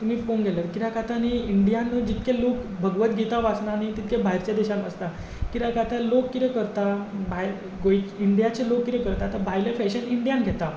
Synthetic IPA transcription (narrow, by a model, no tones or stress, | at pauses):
t̪um̤iːfonɡʱɛləɾkiɾakat̪aniiɳɖijanəd͡ʑit̪kelokbʱəɡʋət̪ɡʱɛt̪aʋasnañit̪it̪kebʱaɦiɾt͡ɕjad̪ɛɕanə̰st̪a | kiɾakat̪alokːit̪ekəɾt̪abʱajɾ | ɡoikiɳɖijat͡ɕelokːit̪ekəɾt̪aːt̪abʱajlefɛɕəniɳɖijãnɡʱɛt̪a